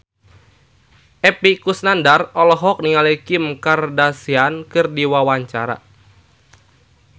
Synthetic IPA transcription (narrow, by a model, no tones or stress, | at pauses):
ʔɛpikusnandarɔlɔɦɔk̚niŋalekimkardasiankɨrdiwawaɲt͡ʃaɾa̰